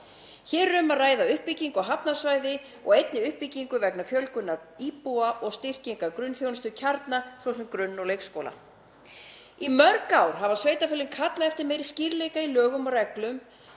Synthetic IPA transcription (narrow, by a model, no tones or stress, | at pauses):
çɛːɾːʏmaraːjðaʏhpiciŋkɔɦapnasvaːjðɪ | ɔɣejt̪nɪʏhpiciŋkʏvɛknafjœlkʏnːaipuaʔɔɣst̪ir̥ciŋkakɾʏnfjownst̪ʏcʰaɾt̪nasvɔsʏmkɾʏnːɔɣlejkskoːwla̰ | imœɾkawɾ̥ɦavasveːjt̪afɪlɪnkʰat̪laðɛft̪ɪɾmeːjɾisciɾlejkailœːɣʏmɔrɛklʏm